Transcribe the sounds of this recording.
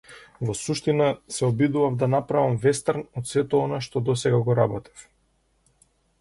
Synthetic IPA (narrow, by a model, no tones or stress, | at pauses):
vɔsuʃt̪inasɛɔbid̪uvavd̪anapɾavamvɛst̪aɾnɔt̪sɛt̪ɔɔnaʃt̪ɔd̪ɔsɛɡaɡɔɾabɔt̪i̥f